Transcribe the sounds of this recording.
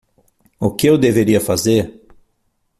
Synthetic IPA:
ʊkɪewd̪eveɾiɐfazeɾ

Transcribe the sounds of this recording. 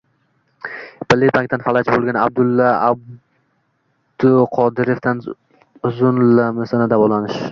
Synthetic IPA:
b̥ɪlːɪpʰaŋk̚ʲt̪anfalˠat͡ʃbolˠɡʲana̰b̚d̪ʊlˠːaab | d̪̥ʊqʰɒd̪ɪɾeft̪an | ʊzʊnlamɪsanad̪avɒlanɪʃ

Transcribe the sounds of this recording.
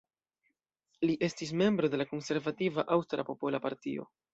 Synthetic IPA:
liʔe̞stis̬me̞mbɾo̞de̞lako̞nse̞ɾvativaʔawstɾapo̞po̞lapaɾtio̞̰

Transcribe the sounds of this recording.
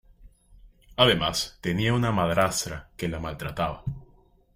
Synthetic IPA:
aðemast̪e̞niaunamaðɾast̪ɾake̞lamalt̪ɾat̪aβa

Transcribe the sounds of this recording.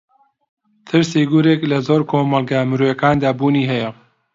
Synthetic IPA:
t̪ʰɨɾseːɡuːɾeːklɐzoːɾkʰoːmɐlɡamɨɾoːjɐkaːnd̪aːbuːniːɦɛjɐ

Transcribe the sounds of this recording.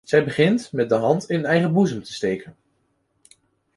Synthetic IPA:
z̥ɛjbəχɪntmɛt̚dəɦɑntɪnənɛjχəbuzəmtə̥stejkən

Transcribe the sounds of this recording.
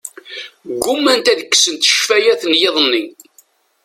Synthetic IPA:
ɡːʊmːænt̪æðəkːsənt̪ə̥ʃfæjæθənjeðˤənːi

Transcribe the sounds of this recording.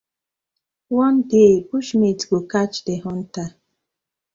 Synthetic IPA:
wɔn̩dekuʃmetɡokat͡ʃdeɦʊn̩ta

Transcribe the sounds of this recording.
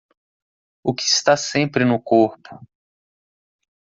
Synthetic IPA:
ʊkɪ̥ːst̪asẽpɾɪnʊkoɾpʊ̥

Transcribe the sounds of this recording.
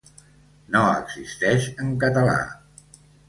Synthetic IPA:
noə̰ɡzist̪ɛʃəŋkət̪əla̰

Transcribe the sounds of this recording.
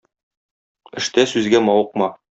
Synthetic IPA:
ɘ̆ʃt̪æsʉzɡæmɒwɤ̆qmɑ

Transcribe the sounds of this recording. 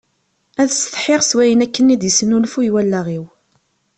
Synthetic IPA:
æðst̪ə̥ħɪʁswæjənækːənːid̪jəsənulfujwælːæʁiw

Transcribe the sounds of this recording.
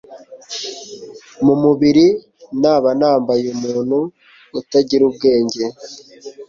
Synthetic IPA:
mumuβiɾi | naːβanaːmbajumuːn̥huː | taɟiɾub̚ɡe̞ːɲɟe̞

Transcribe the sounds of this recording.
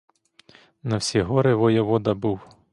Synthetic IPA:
nɐwsʲiɦɔɾɪʋɔjɔʋɔd̪ɐbuw

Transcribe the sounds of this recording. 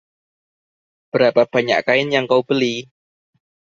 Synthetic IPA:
b̥əɾapab̥a̤ɲa̰ʔkaɪnjaŋkaub̥əli

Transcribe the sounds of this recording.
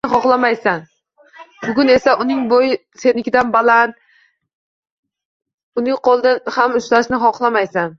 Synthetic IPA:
ɪχɒqlˠamajsan | bʊɡʲʊne̞saʔʊnɪŋbojɪ | se̞nɪkʲʰɪd̪anbalant̪ | ʊnɪŋqɒlˠd̪anhamʊslaʃnɪχɒqlˠamajsan

